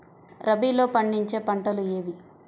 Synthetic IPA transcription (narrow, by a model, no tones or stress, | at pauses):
ɾɐbiːlo̞ːpɐɳɖiɲt͡ʃe̞ːpɐɳʈɐlueːʋi